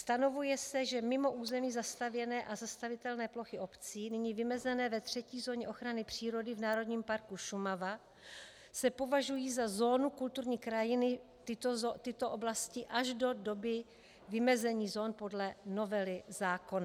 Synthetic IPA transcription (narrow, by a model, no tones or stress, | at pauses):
st̪ano̞vujɛsɛʒɛmɪmo̞ʔuːzɛmiːzast̪avjɛnɛːʔazast̪avɪt̪ɛlnɛːplo̞xɪʔo̞pt͡siːnɪɲiːvɪmɛzɛnɛːvɛt̪r̝̥ɛciːzo̞ːɲɛʔo̞xɾanɪpr̥iːɾo̞dɪvnaːɾo̞dɲiːmpaɾkuʃumava | sɛpo̞vaʒujiːzazo̞ːnukult̪uɾɲiːkɾajɪnɪ | t̪ɪt̪ot̪ɪt̪o̞ʔoblascɪʔaʒdo̞do̞bɪ | vɪmɛzɛɲiːzo̞ːnpo̞dlɛno̞vɛlɪzaːkona